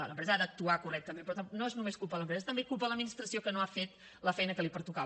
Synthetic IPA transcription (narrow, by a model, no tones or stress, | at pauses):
aləmpɾɛzəad̪ək̚t̪uakurɛk̚t̪əmẽmpɾɔt̪anoeznumeskulˠpələmpɾɛzst̪əmbekulˠp̬ələd̪minist̪ɾəsiokənoafet̪ | ləfɛjnəkəlipəɾt̪uka